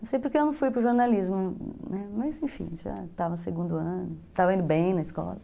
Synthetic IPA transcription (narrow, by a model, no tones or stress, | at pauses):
nɐ̃sejpoɾkeewnɐ̃w̃fujpɾʊʒoɾnalizmʊnɛmɐzẽfḭ̃ʒa̰t̪avɐ̃seɡũnd̪ʊɐ̃nʊt̪avɐĩnd̪ʊbẽj̃nɐiskɔ̰lɐ